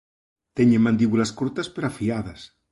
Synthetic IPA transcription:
t̪eɲemãnd̪iβulaskuɾt̪aspeɾafiaðas

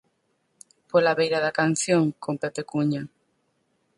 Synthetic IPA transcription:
polaβejɾaðakan̟θjoŋkompepekuɲa

